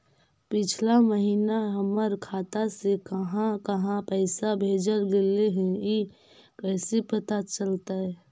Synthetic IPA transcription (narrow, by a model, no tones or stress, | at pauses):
pɪt͡ʃʰlaməɦiːnaɦəməɾkʰaːt̪asekəɦãkəɦãpəɪsabʱeːd͡ʒəɾɡeleɦɛ̃i | kəːsepət̪at͡ʃəlt̪aɦɛ